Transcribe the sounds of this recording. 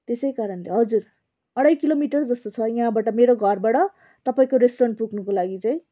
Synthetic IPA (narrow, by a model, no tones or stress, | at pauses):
t̪esʌjkaɾʌnleɦʌd͡zur | ʌɽajkilomiʈʌrd͡zʌst̪ot͡sʰʌjiɦãbaʈʌmeɾoɡʱʌrbaɽʌ | t̪ʌpaĩkoɾesʈoɾʌɳʈ̚puɡnukolaɡit͡sʌĩ